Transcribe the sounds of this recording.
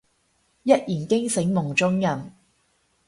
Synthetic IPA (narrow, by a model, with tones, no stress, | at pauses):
jɐ˥t̚jiː˨˩nkɪ˥ŋsɪ˨˥ŋmʊ˨˩ŋt͡sʊ˥ŋjɐ˨m